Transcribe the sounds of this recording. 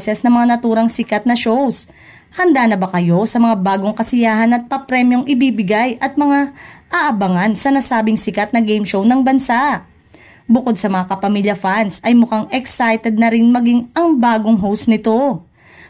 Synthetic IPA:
sɛsnɐŋmɐŋanɐt̪uːɾɐŋsɪkɐt̪̚nɐʃo̞ws | hɐnd̪aːnɐbɐkɐjo̞sɐmɐŋabaːɡo̞ŋkɐsɪjaːɦɐnɐt̪̚pɐpɾɛmjo̞ŋʔɪbiːbɪɡajʔɐt̪̚mɐŋaʔɐʔɐbɐŋɐnsɐnɐsaːbɪŋsɪkat̪̚nɐɡɛjmʃownɐŋbɐnsaʔ | bʊko̞d̪̚sɐmɐŋakɐpɐmiːljɐfansʔɐjmʊkaŋɛksajt̪ɛd̪̚nɐɾɪnmɐɡiŋɐŋbaːɡo̞ŋɦowst̪nɪt̪o̞

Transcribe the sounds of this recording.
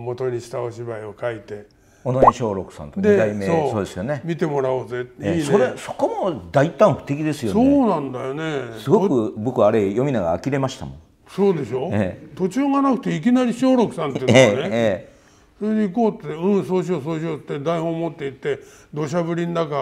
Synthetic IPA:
mo̞t̪o̞ɲiɕi̥t̪aoɕibaio̞kait̪e̞ | onaʑɲiɕo̞ːɾo̞kɯ̟̥sã̰nt̪oɲd̪ied̪aimeoːso̞ːd̪e̞sɨjo̞ne̞mʲit̪e̞mo̞ɾaozeiso̞ɾeso̞̥ko̞mod̪ait̪ãɰ̃ɸɯ̟̥t̪e̞k̬ʲid̪e̞sɨjosoːnãnd̪ajo̞ne̞sɨɡo̞kɯ̟bo̞kɯaːɾejo̞mʲinaɡa̰ːkʲiɾe̞maɕi̥t̪a̰mõ | so̞ːd̪e̞ɕo̞eːt̪o̞t͡ɕɨːŋanakɯ̟̥t̪eik̬ʲinaɾʲiɕo̞ːɾo̞kɯ̟̥sãnt̪eeneeː | so̞ɾed̪e̞iko̞ːt̪ːeɯ̃soːɕ̬os̬oːɕ̬ot̪ːed̪aihoːmot̪ːe̞it̪ːe̞ | d̪oːɕ̬abɯ̟ɾʲind̪aka

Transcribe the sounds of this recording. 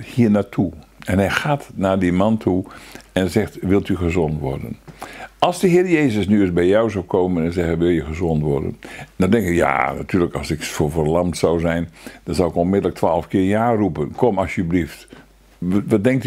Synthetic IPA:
hiːnaːtʰuɛnɦɛjxaːtnaːdimantʰuɛnzɛxtʋɪlˠtyɣəzɔntʋɔ̰rdə̰nɑlˠsdəɦɪːɾəjeːzəsnyəsbɛjjawzawkʰoːmənɛnzɛɣənʋɪlˠjəɣəzɔntʋɔ̰rdə̰ndadɛŋkɪkja̰na̰tʰyːləkɑlˠsɪkfovərlamtsawzɛjnd̥ɑnzawɪkonmɪdələk̚tʰʋaːlˠəfkɪːɹjaːrupənkʰɔmɑsjəblift | ʋadɛŋk̚t

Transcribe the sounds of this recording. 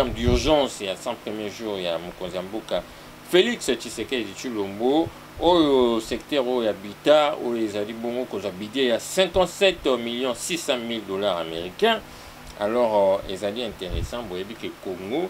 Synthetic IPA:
ɛmdyʁʒɑ̃sjasɛ̃pχemjeʒuʁjamokõnzijãmboka | felikstisekeezitilombo | ojosɛkt̪ɛʁojojabitao̰joezaliboŋɡokozwabidejasɛ̃kɑ̃tsɛt̪miljɔ̃sisɑ̃mildolaʁa̰meʁikɛ̃ | a̰lɔʁḛzaliɛ̃teʁesɑ̃bojebikekoŋɡo

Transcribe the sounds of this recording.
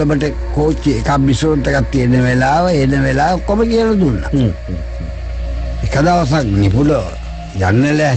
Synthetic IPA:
əməʈə | koːt͡ʃːiekamːisoɾoʈəkat̪ːienəʋelaːʋəenəʋelaːʋokːoməkiəlːət̪ulːa̰ | ekad̪aʋas̬aŋnipulo | d͡ʒa̰nːəlæ

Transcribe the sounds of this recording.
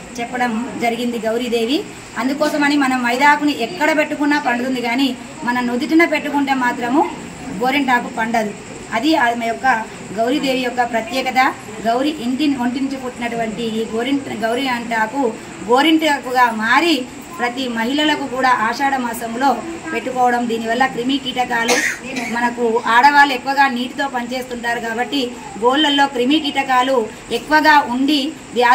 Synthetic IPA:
t͡ʃɛpːɐɽɐmd͡ʒɐɾiɡind̪iɡɐwɾid̪e̞ːʋi | ɐnd̪ukɔːsɐmɐnimɐnɐmːɐjd̪aːkuniʔɛkːɐɽɐpe̞ʈːukunːaːpɐɳɖuund̪iɡaːni | mɐnɐnud̪uʈinɐpeʈːukuɳʈeːmaːt̪ɾɐmu | ɡo̞ːɾiɳʈaːpupɐɳɖɐd̪u | ɐd̪iɐmɐjɔkːɐ | ɡɐwɾid̪e̞ːʋijɔkːɐpɾɐt̪jɛːkɐt̪ɐ | ɡɐwɾiʔint̪inoɳʈiɲt͡ʃupuʈːinɐʈuʋɐɳʈiːɡoːɾiɳʈɡɐwɾiɐɳʈaːpu | ɡo̞ːɾiɳʈɐkːuɡaːmaːɾi | pɾɐt̪imɐɦilɐlɐkukuːɽaːʔaːʂaːɽɐmaːsɐmlo̞ːpe̞ʈːukɔːʋɐɽɐmd̪iːniʋɐlːɐkɾimiːkiːʈɐkaːlumɐnɐkuaːɽɐʋaːluekːuʋɐɡaːniːʈit̪o̞ːpɐɲt͡ʃe̞ːst̪uɳʈaːɾukaːbɐʈːi | ɡoːlːɐlːo̞ːkɾimikiːʈɐkaːlu | ekːuʋɐɡaːʔuɳɖi | d̪jaː

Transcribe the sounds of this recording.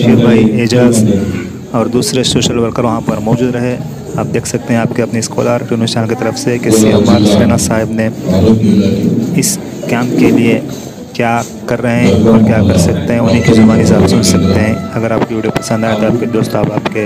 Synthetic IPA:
kɪɾʋaːieːd͡ʒaːz | ɔːɾd̪uːsɾesoːʃəlʋɐɾkəɾʋɐɦãpɐɾmɔːd͡ʒuːd̪ɾɐɦe | aːp̚d̪eːkʰsɐk̚t̪eɦɛ̃aːpkeɐpniskɔ̰ːlaːɾʈuːnisaːnket̪ɐɾəfsekɪsiɐmaːɾseːnasaːɦɪbne | ɪs | kɛːmp̚kelie | kjaː | kɐɾːɐɦeɦɛ̃ɔːɾkjaːkɐɾsɐk̚t̪eɦɛ̃ʊnɦikid͡ʒɐʋaːnɪzaːpsʊnsɐkt̪eɦɛ̃ɐɡəɾaːpkoʋiːɖijopɐsə̃nd̪aːẽt̪oaːp̚ked̪oːst̪aːpaːpke

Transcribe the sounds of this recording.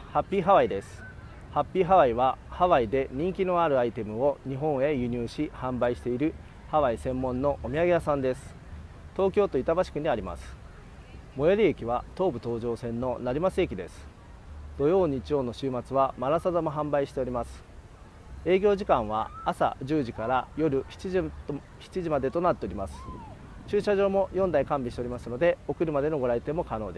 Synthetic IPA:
hapʲːiːɦaβaid̪e̞sɨ̥ | hapʲːiːɦaβaiβahaβaid̪e̞ɲ̟ĩŋkʲino̞aɾɯait̪e̞mɯ̟o̞ɲ̟iɦõ̞ɰ̃e̞jɯ̟ɲ̟ɨːɕihãmbaiɕi̥t̪e̞iɾɯ̟ | haβaisẽ̞mːõ̞nːo̞ʔomʲiaɡe̞jasãnd̪e̞sɨ̥ | t̪o̞ːkʲo̞ːt̪o̞it̪abaɕi̥kɯ̟ɲ̟iaɾʲima̰sɨ̥ | mo̞jeɾʲiekʲiβat̪o̞ːbɯ̟t̪o̞ːʑo̞ːsẽ̞nːo̞naɾʲimasɨe̞kʲid̪e̞sɨ̥ | d̪̥o̞jo̞ːɲ̟iːt͡ɕijo̞ːno̞ɕɨːmat͡sɨβamaɾasad̪amaɦãmbaiɕi̥t̪e̞o̞ɾʲimasɨ̥ | e̞ːɡʲo̞ːʑikãɰ̃β̞a̰ːsa̰d͡ʑɨːʑikaɾajo̞ɾɯ̟çi̥t͡ɕi | çi̥t͡ɕiʑimad̪e̞t̪onat̪ːe̞oɾʲimasɨ̥ | t͡ɕɨːɕaʑo̞ːmo̞jõ̞nd̪aikãmbʲiɕit̪eɾʲimasɨno̞d̪e̞o̞kɯ̟ɾɯ̟mad̪e̞no̞ɡo̞ɾait̪e̞mːo̞kano̞ːd̪e

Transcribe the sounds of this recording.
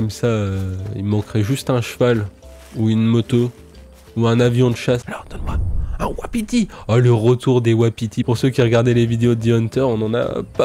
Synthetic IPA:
kɔmsaøḭlmɑ̃kχɛʒyst̪ɛ̃ʃəval | uynmɔt̪o | uɛ̃navjɔ̃d̪əʃasalɔʁd̪̥ɔnmwaɛ̃wapit̪ialəʁət̪uʁd̪ewapit̪ipuʁsøkʲiʁəɡaʁd̪ɛlevid̪eod̪iɔnt̪œʁɔ̃nɑ̃na̰pa

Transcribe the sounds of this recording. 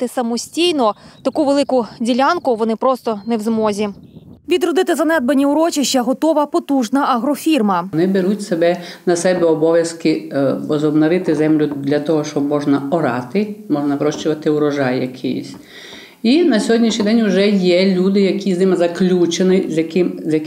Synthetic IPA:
t̪ɪsɐmɔsʲtʲijnɔt̪ɐkuʋelˠɪkʊdʲilʲankʊʋɔnɪpɾɔst̪ɔnewzmɔzʲiʋʲid̪ɾɔd̪ɪt̪ɪzɐnɛd̪̚bɐnʲiʊɾɔt͡ʃiʃt͡ʃɐɦɔt̪ɔʋɐpɔt̪uʒnɐʔɐɦɾɔfʲirmɐnɪbeɾutʲsebɛnɐsɛbɛɔbɔʋʲjɐskɪɔzɔbnɔɾɪt̪ɪzɛmlʲʊd̪lʲɐt̪ɔɦɔʃɔbmɔʒnɐɔɾɑ̰t̪ɪmɔʒnɐʋɾɔʃt͡ʃʊʋɐt̪ɪʊɾɔʒɑjːɐkʰɪ̰jɪ̰sʲ | inɐsʲɔɦɔdʲnʲiʃnʲijd̪ɛnʲʊʒɛjɛlʲud̪ɪjɐkʲiznɪmɪzɐklʲut͡ʃenɪzjɐkɪmzʲjɐk

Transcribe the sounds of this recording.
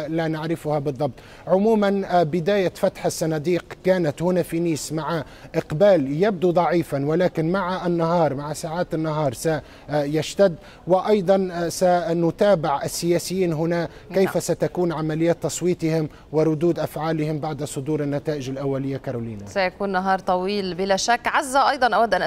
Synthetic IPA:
lanaʕɾɪfʊhabɨðˤːɑb̚t̪ˤ | ʕʊmuːmanbɪd̪aːjafat̪ħasːɑnad̪iːqkaːnat̪hʊnafiniːsmaʕa | ʔɪqbaːljab̚d̪ud̪ˤɑʕiːfanwɪlaːkɪnmaʕaʔɪnːaɦɑːɾˤmaʕasaːʕaːt̪ɪnːaɦɑːɾˤsa | jaʃt̪ad̪ː | wɪʔɑjd̪ˤɑnsanʊt̪aːbɪʕɪsːɪjaːsɪjːiːnɦʊnakejfasat̪akuːnʕamalɪjːaːt̪ːɑsˤwiːt̪ˤɪhɪm | wɪɾˤʊd̪uːd̪ʔafʕaːlɪhɪmbaʕd̪sˤʊd̪uːɾɪnːat̪aːʔɪʒɪlʔawːalɪjːakaɾˤuːliːnasajakuːnːɑɦɑːɾˤt̪ˤɑwiːlbɪlaʃakːʕazːaʔɑjd̪ˤɑnʔawad̪ːʔanʔ

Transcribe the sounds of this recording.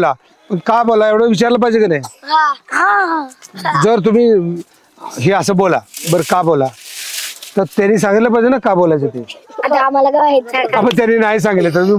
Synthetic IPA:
la | pəɳkabolaeʋɽəʋit͡ɕaɾləp̬aid͡ʑekənajɦaɦãɦãd͡zəɾt̪̬um̤iː | ɦeəsəːbolabəɾkabola | t̪əɾt̪anːiːs̬ãŋɡit̪ləp̬aɦd͡ʑenakabolajd͡zat̪eaam̤alaɡəaɦet̪apəɳt̪̬janːiːnaɦis̬ãŋɡit̪let̪̬əɾmiː

